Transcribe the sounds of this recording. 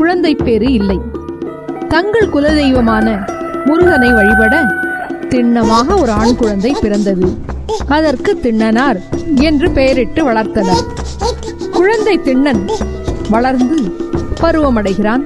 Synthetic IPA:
kʊɻɐnd̪ɐɪpːeːɾɯɪlːɐɪ | t̪ɐŋɡɐɭkʊlɐðɛjʋɐmaːnɐmʊɾʊɣɐnɐɪʋɐɻɪpɐɽɐt̪ɪɳːɐmaːɣɐɔɾɯaːɳkʊɻɐnd̪ɐɪpɪɾɐnd̪ɐðɯɐðɐrkɯt̪ːɪɳːɐnaːɾɛndrɯpejɐɾɪʈːɯʋɐɭɐɾt̪ɐnaːɾ | kʊɻɐnd̪ɐɪt̪ɪɳːɐn | ʋɐɭɐɾnd̪ɯpɐɾɯʋɐmɐɽɐɪɣɪɾaːn

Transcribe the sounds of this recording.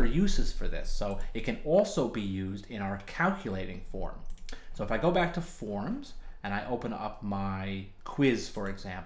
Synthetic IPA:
ə˞jʉzɨz̥fə˞ðɪ̰soʊɨt̚kʰɨ̃nɔlˠsoʊbijʉzdɪ̃ñaʊə˞kʰælˠkʰjɨleɪɾɪ̰̃ŋfɔ̰ɹmsoʊəfaɪɡoʊbæk̚tʰəfɔɹmz̥ɨ̃naɪʔoʊpə̃nʌ̰p̚maɪ | kʰw̥ɪz̥fə˞ɨɡzæ̃mp

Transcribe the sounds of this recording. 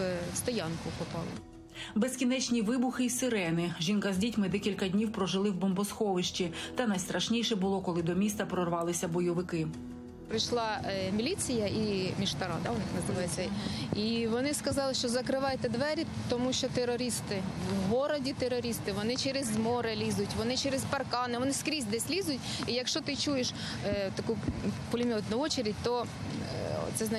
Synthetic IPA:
st̪ɔjɑnkʊkʊpɑlˠɪ̰ | beskʲinɛt͡ʃʲnʲiʋɪbʊxɪisɪɾɛnɪʒinkɐzʲdʲitʲmɪd̪ɛkʲilʲkɐdʲnʲiwpɾɔʒɪlˠɪwbɔmbɔsxɔʋɪʃt͡ʃʲit̪ɐnɐjst̪ɾɐʃnʲijʃɛbʊlˠɔkɔlˠɪd̪ɔmʲist̪ɐpɾɔrʋɑlˠɪsʲɐbɔjɔʋɪkɪ | pɾɪjʃlˠɑmʲilʲit͡sʲijɐimʲiʃt̪ɐɾɑ̰d̪ɑʊnɪxnɐzɪʋɑjet͡sʲːɐiʋɔnɪskɐzɑlˠɪʃt͡ʃɔzɐkɾɪʋɑjɛt̪ɛd̪ʋɛɾʲi | t̪ɔmuʃt͡ʃɔt̪eɾɔɾʲist̪ɪ | wɦɔɾɔdʲit̪eɾɔɾʲist̪ɪʋɔnɪt͡ʃɛɾezmɔɾɛlʲizʊtʲʋɔnɪt͡ʃɛɾɛzpɐrkɑnɪʋɔnɪskɾʲizʲd̪ɛsʲlʲizʊtʲijɐkʃt͡ʃɔt̪ɪt͡ʃujeʃ | t̪ɐkupɔlʲɪmʲɔt̪nɐɔt͡ʃɐɾʲidʲt̪ɔ̰ | t̪sɛzn

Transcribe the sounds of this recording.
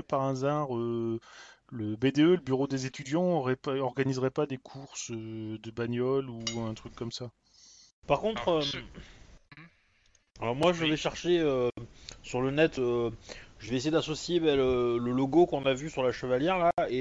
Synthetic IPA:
əpaʁazaʁø | ləbed̪eøləbyʁod̪ezet̪yd̪jɑ̃ɔʁɛpaɔʁɡanizʁɛpad̪ekʰuʁsød̪əbanjɔluɛ̃t̪χykːɔmsa | paʁkɔ̃t̪χø | alɔʁmwaʒəvɛʃɛʁʃeøsyʁlənɛt̪øʒəvɛesejed̪asɔsjebɛlələloɡokɔ̃navysyʁlaʃəvaljɛʁlae

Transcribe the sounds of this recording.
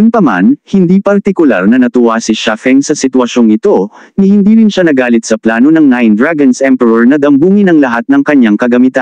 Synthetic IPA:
jʊnpɐma̰nhɪnd̪ipɐɾt̪ɪkʊla̰ɾnɐnɐt̪ʊwasɪʃafɛŋsɐsɪt̪wɐʃo̞ŋɪt̪o̞nɪhɪnd̪iːɾɪnʃanɐɡaːlɪt̪̚sɐplaːno̞nɐŋnajnd̪ɹaɡɐnsɛmpɛɹɐɹnɐd̪ɐmbuːŋɪnɐŋlɐɦat̪̚nɐŋkɐɲːaŋkɐɡɐmɪt̪an

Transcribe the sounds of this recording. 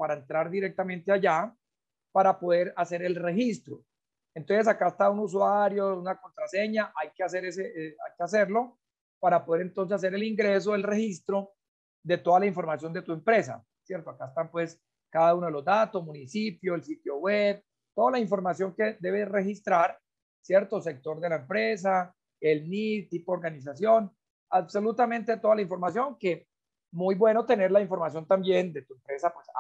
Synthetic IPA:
paɾaent̪ɾaɾd̪iɾek̚t̪amẽnt̪eaʝa | paɾapo̞ðe̞ɾase̞ɾe̞lre̞xist̪ɾo | ent̪o̞nses̬akaest̪aunus̬waɾjo̞unako̞nt̪ɾase̞ɲaʔajkeas̬e̞ɾesea̰jkeas̬e̞ɾlo̞ | paɾapo̞ð̞eɾe̞nt̪o̞nsesas̬e̞ɾe̞liŋɡɾe̞s̬oelre̞hist̪ɾo̞ | d̪e̞t̪o̞ðalaiɱfo̞ɾmasjo̞nd̪e̞t̪ue̞mpɾe̞sa̰ | sje̞ɾt̪oakaest̪ampwe̞s | kaðaunoelo̞zd̪at̪o̞smunisipjo̞elsit̪jo̞web̚ | t̪o̞ðalaiɱfo̞ɾmasjo̞ŋke̞d̪e̞βere̞xist̪ɾaɾ | sje̞ɾt̪o̞s̬e̞k̚t̪o̞ɾd̪e̞laempɾes̬a | elnit̪ipoːɾɡanis̬asjo̞n | aβso̞lut̪amẽ̞nt̪et̪oðalaiɱfo̞ɾmasjo̞ŋke̞ | mujbwe̞no̞t̪e̞ne̞ɾlaiɱfoɾmasjo̞nt̪ambje̞nd̪e̞t̪uempɾe̞sapwes

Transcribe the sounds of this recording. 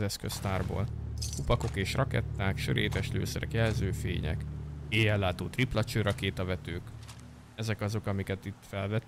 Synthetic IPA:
zɛskøst̪aːrbo̰ːlkupɒko̞keːʃrɒkɛ̰t̪ːaːkʃø̰ɾeːt̪ɛʃlø̰ːsɛɾɛ̰kjɛlzøːfḛːɲɛ̰keːjɛlːaːt̪oːt̪iplɒt͡ʃøːɾʔɒkeːt̪ɒvɛt̪øːk | ɛzɛkɒzo̞kɒmikɛt̪it̪ːfɛlvɛt̪

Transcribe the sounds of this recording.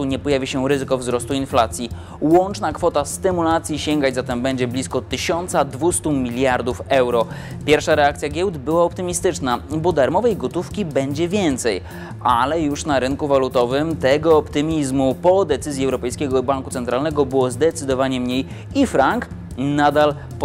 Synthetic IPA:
t̪uɲɛpɔjavʲiɕɛɾɘzɘkɔvzɾɔst̪uinflat̪sʲji | wɔnt͡ʂnakfɔt̪ast̪ɘmulat̪sʲjiɕɛŋɡad͡ʑzat̪ɛmbɛɲd͡ʑɛblʲiskɔt̪ɘɕɔnt̪sad̪vust̪umʲilʲjaɾd̪ufɛwɾɔpʲjɛɾfʂaɾɛak̚t̪sʲjaɡʲjɛwd̪bɘwaɔp̚t̪ɘmʲist̪ɘt͡ʂnabɔd̪aɾmɔvɛjɡɔt̪ufkʲibɛɲd͡ʑɛvʲjɛnt̪sɛj | ʔalɛjuʂnaɾɘnkuvalut̪ɔvɘmt̪ɛɡɔːpt̪ɘmʲizmupɔd̪ɛt̪sɘzʲjiɛwɾɔpɛjskʲɛɡɔbaŋkut̪sɛnt̪ɾalnɛɡɔbɘwɔzd̪ɛt̪sɘd̪ɔvaɲɛmɲej | ifɾaŋk | nad̪al | p

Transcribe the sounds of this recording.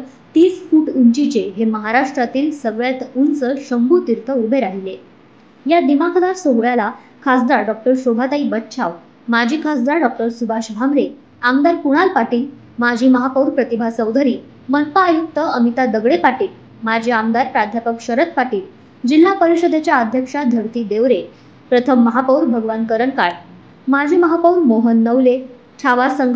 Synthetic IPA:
t̪iːsfuːʈuɲt͡ɕit͡ɕeɦeməɦaɾaʂʈɾat̪iːlsəɡɭjat̪unt͡səɕəmbʱuːt̪iɾt̪ʰəubʱeɾaɦile | jad̪imakʰd̪aɾsoɡɭjala | kʰasd̪aɾɖɔk̚ʈəɾsobʱat̪aibət̪t͡ɕʰaw | mad͡ʑʱiːkʰasd̪aɾɖɔk̚ʈəɾsubʱaɕbʱamɾe | amd̪aɾpuɽ̃alpaʈiːl | mad͡ʑʱiːməɦapəwɾpɾət̪ibʱasəwd̪ʱəɾiː | mənpaːjuk̚t̪ːəːmit̪ad̪əɡɭepaʈiːl | mad͡ʑʱiamd̪aɾpɾad̪ʱjapəkɕəɾət̪̚paʈiːl | d͡ʑil̤ːapəɾiɕəd̪ʱet͡ɕjaəd̪ʱjəkʂad̪ʱəɽt̪iːd̪eʋɾe | pɾət̪ʰəmːəɦapəwɾbʱəɡʋankəɾəɳkaɭ | mad͡ʑʱiːməɦapəwɾmoɦənːəʋle | t͡ɕʰaʋasəŋɡ

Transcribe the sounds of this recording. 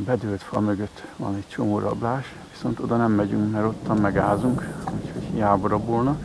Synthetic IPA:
bɛd̪øːlt̪fɒmøɡøt̪ːʋɒ̰nɛct͡ʃo̞moːɾɒ̰blaːʃ | ʋi̥so̞nt̪o̞d̪ɒnɛmːɛɟyŋkmɛɾo̞t̪ːɒmmɛɡaːzuŋkuchoɟjaːboɾɒbolnɒ

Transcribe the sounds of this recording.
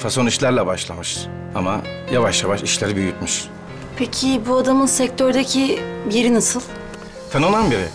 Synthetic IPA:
fasoniʃlʲæɾlʲɛbaʃlˠamɯʃ | ama | javaʃjavaʃiʃlʲeɾibyjyt̪mɯʃ | pʰecʰibuad̪amɯnsɛc̚t̪ʰøɾd̪acʰibiɾinasɯlˠ | fɛnolanbiɾɪ

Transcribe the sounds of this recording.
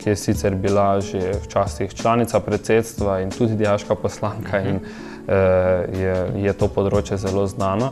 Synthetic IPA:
kijɛsit̪sɛɾbilaʒewt͡ʃaːst̪ixt͡ʃlaːnit̪sapɾɛt̪seːt̪st̪ʋaint̪uːd̪id̪ijaːʃkapɔslaːŋkʰain | jɛjɛt̪oːpɔd̪ɾoːt͡ʃjɛzɛloːznaːnɔ

